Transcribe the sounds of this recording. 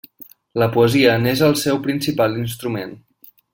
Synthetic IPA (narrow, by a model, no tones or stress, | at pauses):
ləpuəziənezəlˠsɛwpɾinsipalinst̪ɾumen